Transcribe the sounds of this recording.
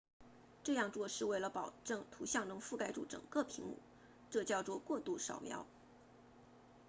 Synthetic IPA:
ʈ͡ʂɤ˥˧jɑ˥˧ŋt͡swɔ˥˧ʂɻ̩˥˧we˥˩ɪlə˩pɑ˨˩ʊʈ͡ʂɤ˥˩ŋt̪ʰu˧˥ɕjɑ˥˩ŋnɤ˧˥ŋfu˥˧ka˥ɪʈ͡ʂu˥˩ʈ͡ʂɤ̰˨˩ŋkɤ˥˧pʰi˧˥ŋmṵ˨˩˦ | ʈ͡ʂɤ˥˧t͡ɕjɑ˥˧ʊt͡swɔ˥˧kwɔ˥˧t̪u˥˩ʂɑ̰˨˩ʊmjɑ̰˧˥ʊ

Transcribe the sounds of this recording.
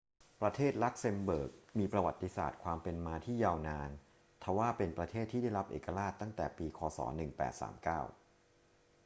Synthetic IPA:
pɾa˧t̪ʰeː˥˩t̪̚la˦˥k̚se˧mbɤː˨˩k̚miː˧pɾa˧wa˨˩t̪ːi˧˦sa̰ː˨˩t̪̚kʰwaː˧mpe˧nmaː˧t̪ʰiː˥˩jaː˧wnaː˧n | t̪ʰa˧˩˦waː˥˩pe˧npɾa˧t̪ʰeː˥˩t̪ʰːiː˥˩da˥˩jɾa˦˥p̚ʔḛː˨˩ka˧ɾaː˥˩t̪ːa˥˩ŋt̪ɛː˨˩piː˧kʰɔː˧sɔ̰ː˩˦nɯ˨˩ŋpɛ̰ː˨˩t̪̚sa̰ː˩˦mkaː˥˩w

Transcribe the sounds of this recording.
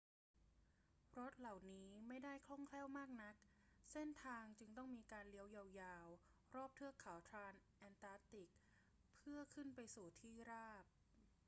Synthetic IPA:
ɾo˦˥t̪̚la˨˩wniː˦˥ma˥˩jda˥˩jkʰlɔ˥˩ŋkʰlɛː˥˩wmaː˥˩k̚na˦˥k̚ | se˥˩nt̪ʰaː˧ŋt͡ɕɯ˧ŋt̪ɔ˥˩ŋmiː˧kaː˧nli˧˥əwja˧wjaː˧w | ɾɔː˥˩p̚t̪ʰɯ˥˩əkʰa˩˦wt̪ʰɾaː˧nʔɛː˧nt̪aː˦˥t̪i˨˩k̚ | pʰːɯ˥˩ɐkʰɯ˥˩npa˧jsuː˨˩t̪ʰiː˥˩ɾaː˥˩p̚

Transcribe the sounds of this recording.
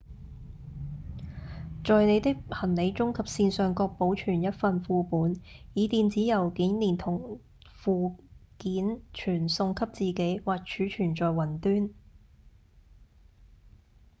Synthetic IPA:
t͡ʃɔː˨jne˨˧jt̪ɪ˥k̚hʰɐ˨˩nle˨˧jt͡ʃʊ˥ŋkʰɐ˨p̚siː˧nsœː˨ŋkɔː˧k̚po˨˥wt͡ʃʰyː˨˩njɐ˥t̚fɐ˨nfuː˨˧puː˨˥njiː˨˧t̪iː˨˧nt͡siː˨˥jɐ˨˩wkiː˨˥nliː˨˩nt̪ʰʊ˨˩ŋ | fuː˨˧kiː˨˥nt͡ʃʰyː˨˩nsʊ˧ŋkʰɐ˥p̚t͡siː˨ke˨˥jwaː˨k̚t͡ʃʰyː˨˥t͡ʃʰyː˨˩nt͡ʃɔː˨jwɐ˨˩nt̪yː˥n

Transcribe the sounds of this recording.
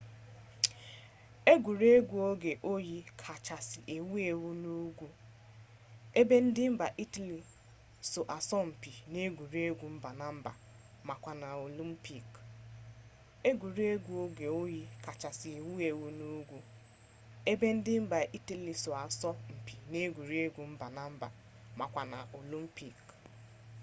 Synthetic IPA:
e˦ɡʷu˨ɾe˦ɡʷu˨o˦ɡe˨ʔo˦ji˦kʰa˨t͡ʃa˨sɪ˨ʔe˨wu˦e˨wu˦nu˦ɡʷu˦ | e˦be˦n̩˦dɪ˦m̩˦ba˨ʔi˦ta˨li˨ | so˨ʔa˨sɔ˦m̩˨pi˨ne˦ɡʷu˨ɾi˦e˦ɡʷu˨m̩˦ba˨na˨m̩˦ba̰˨ | ma˨kʷa˨na˨o˨li˦m̩˦pi˨k | e˦ɡʷu˨ɾi˦e˦ɡʷu˦o˦ɡe˨o˦ji˦ka˨t͡ʃa˨sɪ˨e˨wu˦e˨wu˦nu˦ɡʷu˦ | e˦be˦n̩˦dɪ˦m̩˦ba˨ʔi˦ta˨li˨sʊ˨a˨sɔ˦m̩˨pi˨ne˦ɡʷu˨ɾi˦e˦ɡʷu˨m̩˦ba˨na˦m̩˦ba̰˨ | ma˨kʷa˨na˨o˨li˦m̩˦pi˨k

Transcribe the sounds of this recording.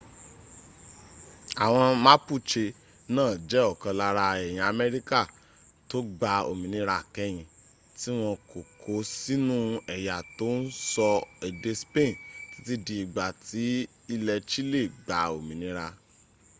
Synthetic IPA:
a˨w̃ɔ̃˧mã˦pu˦˨t͡ʃe˧ | nãː˦˨d͡ʒɛ˨˦ɔ˦˨kã˧la˧ɾa˧ɛ˨j̃ĩ˨a˨mɛ˦ɾi˦ka˦˨ | to˦ɡ͡ba˧o̰˨mĩ˨nĩ˧ɾa˧˦˨kɛ˦j̃ĩ˧ | ti˨˦w̃ɔ̃˧ko˨kʰo˨˦si˦nũ˦ɛ˨ja˨to˨˦n̩˦sɔ˧ɛ˨de˧spẽ˦˨ti̥˨˦ti˦di˧i˨ɡ͡ba˨ti˨˦ | i˧lɛ˧t͡ʃi˦le˦˨ɡ͡ba˨o˨mĩ˨nĩ˦ɾa˧

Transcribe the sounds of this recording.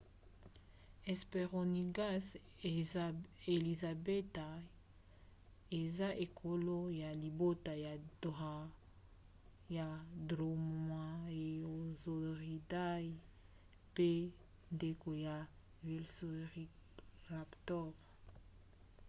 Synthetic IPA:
ɛ˨spe˨ʁo˨ni˨ɡa˦s | e˨li˨za˨be˦ta˨ | e˨za˦ʔe˨kʰo˨lo˦ja˨li˨bo˦ta˨ja˨da˨ | ja˨dʁo˨ma˨e˨o˨zo˨ʁi˨da˦i˦ | pe˦ | nde˨ko˨ja˨ | vi˨lso˨ʁi˦ | la˨ptɔ˦ʁ

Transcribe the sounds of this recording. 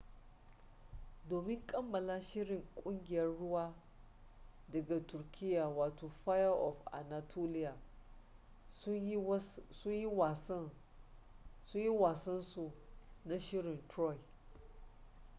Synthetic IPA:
doː˨mɪ˦ŋkʼɐ˦mːɐ˨laː˦ʃɪ˦ɽɪ˨ŋkʷʼʊ˦ŋɡʲɪ˨jɐ˦rːʊ˦waː˦ | dɐ˨ɡa˨tʊ˨rkʲʰɪ˦jːa˨waː˨toː˨ɸaː˦jɐ˦ʔɔ˨fʔa̰˨na˨tʰo˦lɪ˦ja˨˦ | sʊ˦ɲji˦wa˨s | sʊ˦ɲji˦waː˨sɐ˦nsu˨na˦ʃɪ˦ɾɪ˨ntɾɔ˦j

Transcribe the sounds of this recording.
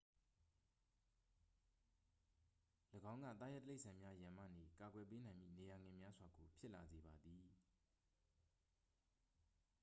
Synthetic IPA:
ləɡã˦ʊ̃ŋɡä̰˦˨t̪a̰˦˨jɛ˦təle˦ɪʔsʰã˨mja˦jã˨mä̰˦˨ne˨ka˨ɡwɛ˨p̬e˦nã˨ɪ̃mjḭ˦˨ne˨ja˨ŋɪ̃˨mja˦zwa˨ɡo˨pʰjɪ˦ʔla˨ze˨ba˨d̪i˨

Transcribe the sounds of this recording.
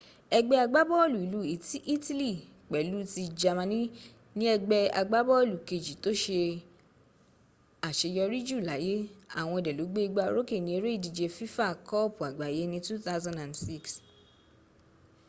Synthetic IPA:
ɛ˧ɡ͡bɛ˧a˧ɡ͡ba˦bɔ˦o˦˨lu˨i˨lu˨˦i˨ti˦ʔi˦ti˦li˦˨ | k͡pɛ˨˦lu˨˦ti˧d͡ʒa˧mã˧nĩ˦ | nĩ˦ɛ˧ɡ͡bɛ˧a̰˧ɡ͡ba˦bɔ˦˨lu˨ke˨d͡ʒi˨˦to˦ʃe˧ | a˨ʃe˧jɔ˧ɾi˦d͡ʒu˦˨la˨˦je˦a̰˦˨w̃ɔ̃˧ɛ˧˨dɛ˨lu˨˦ɡ͡be˦i˧ɡ͡ba˧˦˧ɾo˦ke˦˨nĩ˨˦e˧ɾe˦i˦˨di˧d͡ʒe˧fi˦fa˦˨kɔ˦˨pu˨a˨ɡ͡ba˨je˨˦nĩ˧tu˦θa˦wzã˦ndã˨n˨dsi˦˨ks

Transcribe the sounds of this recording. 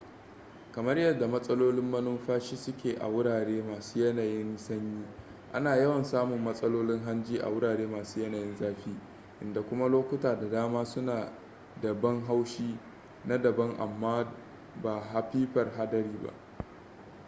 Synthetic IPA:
kɐ˨mɐ˦rjɐ˨da˨mɐ˦sʼɐ˦loː˦lɪ˦mːɐ˦nʊ˦mɸaː˦ʃiː˦sʊ˦kʲeː˨ʔa̰˨wʊ˦ɽaː˨ɽeː˦maː˨suː˦jɐ˦naː˨jɪ˦nsɐ˦ɲjiː˦ | ʔa˦naː˨jɐ˦wɐ˨nsaː˦mʊ˨mːɐ˦sʼɐ˦loː˦lɪ˦ŋɦa˦nd͡ʒiː˦ʔa̰˨wʊ˦ɽaː˨ɽeː˦maː˨suː˦jɐ˦naː˨jɪ˦nzaː˦ɸiː˦ | ʔɪ˨nda˨kʷʊ˦ma˦loː˦kʷʊ˦taː˨da˨daː˦maː˦sʊ˦naː˨ | dɐ˨bɐ˦ŋɦa˦wʃiː˦ | na˦dɐ˨bɐ˦ŋʔa̰˨mːaː˦ | ba˨ɦa˨ɸiː˦ɸɐ˨rɦa˦dɐ˨ɾiː˦ba̰˦ʔ

